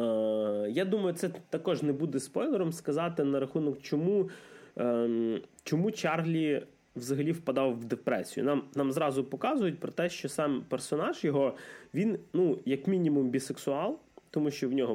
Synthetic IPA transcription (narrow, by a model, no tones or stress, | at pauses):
jad̪umɐjʊt̪sɛt̪ɐkɔʒnɛbud̪ɛspɔjlˠeɾɔmskɐzɑt̪ɪnɐɾɐxunɔkt͡ʃɔmu | t͡ʃɔmut͡ʃɑrɦlʲi | ʋzɐɦɐlʲiwpɐd̪ɑwːd̪epɾɛsʲijʊ̰nɑmnɑmzɾɑzʊpɔkɑzʊjʊt̚ʲpɾɔt̪ɛʃt͡ʃɔsɑmpersɔnɑʒjɔɦɔʋʲinnujɐkmʲinʲimumbʲiseksʊɑlˠt̪ɔmuʃt͡ʃɔwnʲɔɦɔ